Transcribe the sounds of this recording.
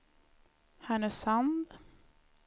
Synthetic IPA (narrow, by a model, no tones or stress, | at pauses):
hæɳəsand̪